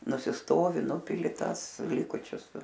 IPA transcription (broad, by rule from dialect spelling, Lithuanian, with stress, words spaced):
nʊsʲɪsˈtoːʋʲɪ ˈnʊpʲɪlʲɪ ˈtɑːs ˈlʲɪkʊt͡ʃʲʊs